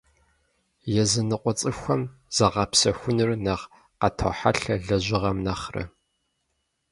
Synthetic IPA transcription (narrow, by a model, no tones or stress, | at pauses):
jɛzɨnɨqʷʼɔt͡sʼɨxʷɐmz̥ɐʁɐpsɐxʷʊnɨrnɐʁ | qɐtʰo̰ħa̰ɬɐɮɐʑɪʁɐmnɐχrɐ̰